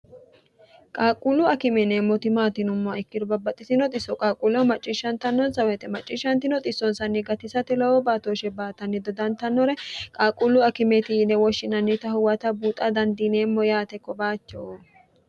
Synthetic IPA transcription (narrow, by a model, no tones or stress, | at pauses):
kʼaːkʼulːʊɐkɪmɛnemːɔt̪ɪmaːt̪ɪnʊmːɔɛkːɪd̪ʊbɐbɐt̪ʼːɪsɪnɔt̪ʼɪsːɔkʼaːkʼulɔmɐt͡ʃʼːɪʃːɐnt̪ɐnːɔnsɐwɛt̪ɛmɐt͡ʃʼːɪːʃːɐnt̪ɪnɔt̪ʼɪsɔnsɐnːɪɡɐt̪ɪsɐt̪ɪlɔwɔbaːt̪oːʃɛbaːt̪ɐnːɪd̪ɔd̪ɐnt̪ɐnːɔɾɛkʼaːkʼːulːʊɐkɪmɛt̪ɪnɛwɔʃːɪnɐnːɪt̪ɐhʊwɐt̪ɐbuːt̪ʼɐd̪ɐnd̪ineːmːɔjaːt̪ɛkɔbaːt͡ʃːo